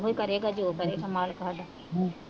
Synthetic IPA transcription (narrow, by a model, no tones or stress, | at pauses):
ɦoːikəɾeːɡaːd͡ʒoːkəɾeːʃamaːlkaɦaɖa